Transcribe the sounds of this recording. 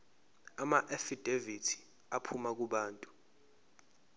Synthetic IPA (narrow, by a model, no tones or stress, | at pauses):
amaʔefid̥ʱevitʰi̥ | apʰumak̬uɓaːntʼu̥